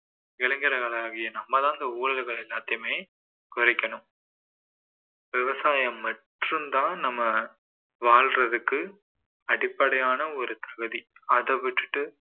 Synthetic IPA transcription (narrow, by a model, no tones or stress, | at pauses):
ɪɭɐŋɡɪɾɐkɐlaːɣɪjɐnɐmːɐt̪ãːnd̪ɐuːɻɐlɣɐɭɛlːaːt̪ːɪjɐmeː | kʊɾɐɪkʲːɐɳɯm | ʋɪʋɐsaːjɐmːɐʈrɯmd̪ãːnɐmːɐ | ʋaːɭrɐðɯkːɯ | ɐɽɪpːɐɽɐjaːnɐɔɾɯt̪ɐɣɯðiɐðɐʋɪʈrɯʈːɯ